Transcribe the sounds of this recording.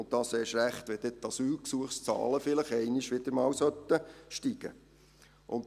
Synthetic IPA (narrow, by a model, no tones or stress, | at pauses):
ʊnt̚d̥ɑseːʃɾæχt̪ʋɛd̥̪ɛt̪ːɑsyːlksuəχst͡sɑ̰ːləfɪləχɛɪnɪʃʋɪd̪̥əɾmɑːwsœt̪ːəʃtiɡ̥ə̰ | ʔʊnt